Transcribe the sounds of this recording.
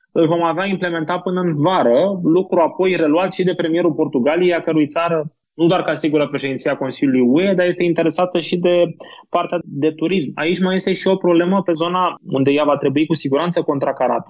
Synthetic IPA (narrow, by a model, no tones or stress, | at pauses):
ɨlvo̞maveaimple̞me̞nt̪apɨnəɨnvaɾəlukɾuapo̞jre̞luat̪ʃid̪e̞pɾe̞mije̞ɾulpo̞rt̪uɡalijejakəɾujt̪saɾə | nud̪oarkasiɡuɾəpɾe̞ʃed̪int̪iako̞nsiljulujue̞d̪aɾje̞st̪e̞int̪e̞ɾe̞sat̪əʃid̪e̞part̪ead̪e̞t̪uɾisma̰it͡ʃʲmaje̞st̪e̞ʃio̞pɾo̞ble̞məpe̞zo̞naund̪e̞javat̪ɾe̞buikusiɡuɾant̪səko̞nt̪ɾakaɾat̪ə̥